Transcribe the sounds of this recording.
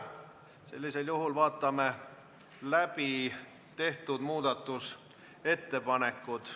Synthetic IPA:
se̞̰lʲːise̞ljuɦulvɑːt̪ːˑɑme | læpi | t̪e̞ht̪ud̪muːd̪ɑt̪ːˑus | e̞t̪ːe̞pɑne̞kːˑud̪̥

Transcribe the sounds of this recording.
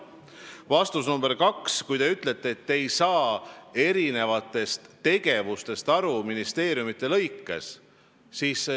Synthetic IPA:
vɑst̪usnumb̥e̞ɾkɑkskujt̪e̞yt̪ˑle̞t̪ːˑeːt̪ːeejsɑːe̞ɾine̞vɑt̪ːˑe̞st̪ːe̞ɡe̞vust̪e̞st̪ɑɾuminist̪e̞ːɾijumit̪ˑːe̞lɤ̞jkːe̞̰s | siːs

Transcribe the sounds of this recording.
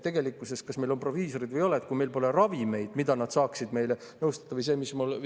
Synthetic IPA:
t̪e̞ɡ̥e̞likːˑuse̞s̚kɑsme̞jlo̞mpro̞viːso̞ɾid̪vɯjo̞let̪̚kuime̞jlpo̞le̞rɑvime̞jd̪̥mid̪ɑnɑd̪̥sɑːksid̪me̞jle | nɤwst̪ɑt̪ːɑvɯjs̬e̞ːmismul

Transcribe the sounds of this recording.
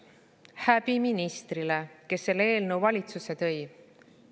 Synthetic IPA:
hæb̥iminist̪rile̞ke̞sːe̞leːlnewvɑlʲit̪suse̞t̪ɤ̞j

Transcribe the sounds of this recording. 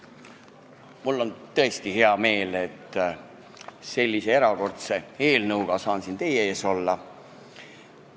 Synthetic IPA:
mulːo̞nt̪ɤe̞st̪ihe̞ɑme̞ːle̞t̪ːˑ | se̞lʲːise̞e̞ɾɑko̞rt̪se̞e̞ːlnɤwɡ̥ɑsɑːnsint̪e̞jeeːso̞lːɑ

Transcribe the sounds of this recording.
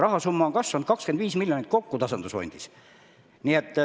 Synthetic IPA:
rɑɦɑsumːɑoŋkɑsvɑnud̪̚kɑkskend̪viːsmilʲjonit̪̚ko̞kːut̪ɑsɑnd̪̥usfo̰nʲd̪̥is | niet̪ː

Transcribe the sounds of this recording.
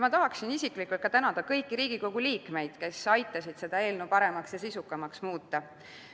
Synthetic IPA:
mɑt̪ɑɦɑksinisiklikːˑult̪kɑt̪ænɑd̪̥ɑkɤjkːiɾiːɡ̥iko̞ɡ̥uliːkme̞jd̪̥ke̞sɑjt̪ːˑɑsid̪̥se̞d̪̥ɑe̞ːlnupɑɾe̞mɑksjɑsisukːˑɑmɑksmuːt̪ːˑɑ

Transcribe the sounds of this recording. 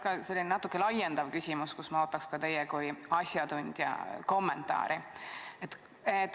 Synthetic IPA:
kɑselːinenɑt̪ːu̥kːˑelɑjend̪ɑvkysʲimuskusmɑo̞ːt̪ːˑɑkskɑt̪e̞jɛkujɑsʲjɑd̪unʲd̪̥jɑ̰ko̞mːe̞nt̪ːˑɑ̰ːɾʔiet̪ː | et̪ː

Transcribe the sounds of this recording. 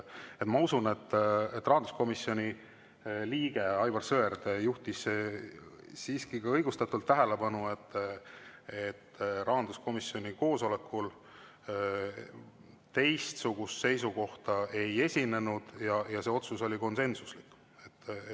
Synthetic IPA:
et̪mɑusune̞t̪ːet̪ːˑrɑɦɑnd̪u̥sko̞misio̞nʲi | liːɡ̥e̞ɑjbɑrsøerd̪juht̪is | siːskikɑɤjɡust̪ɑt̪ːˑult̪ːæɦæle̞pɑnue̞t̪ː | et̪ːrʔɑɦɑnd̪̥usko̞misjo̞nʲiko̞ːso̞le̞kːul | t̪e̞jst̪suɡ̥ust̪se̞jsuko̞ht̪ɑe̞je̞sʲine̞nud̪̥jɑjɑseo̞t̪suso̞lʲiko̞nse̞nsuslikː | et̪ː

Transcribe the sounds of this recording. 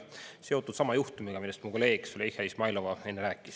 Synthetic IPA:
se̞ot̪ːˑud̪̥sɑmɑjuht̪umiɡ̥ɑmilːest̪muko̞le̞ːɡ̥sulehɑismɑjlo̞vɑe̞nːeɾæːkːˑis

